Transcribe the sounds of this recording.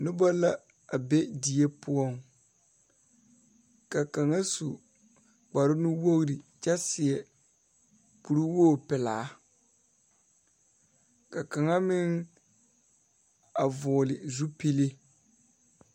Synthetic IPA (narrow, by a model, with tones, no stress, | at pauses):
nʊ˦ba˦la˦ | a˨bɛ˦di˨e˦pʊ˦ɔ˦˨ŋ | ka˨ka˨ŋa˦su˨ | ɡ͡ba˨ɾʊ˦nʊ˦wo˦ɣɾi˨t͡ʃa˦sɪ˨ɛ˨ | ku˨ɾu˦woː˦˨pɪ˨laː˨˦ | ka˨ka˨ŋa˦mɪ˦ŋ | a˨vʊː˨lɪ˨zu˦pe˦le˦